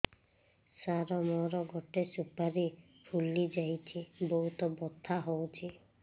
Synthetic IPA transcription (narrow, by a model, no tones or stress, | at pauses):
saɾɔmɔɾɔɡɔʈesupaɾi | pʰulːid͡ʒajt͡ʃʰibɔɦut̪ɔbɔt̪ʰːaɦowt͡ʃʰi